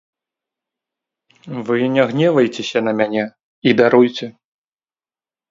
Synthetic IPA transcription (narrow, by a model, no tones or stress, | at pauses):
vɨnʲaɣnʲɛvɐjt͡sʲesʲɐnɐmʲanʲɛ | id̪aɾujt͡sʲɛ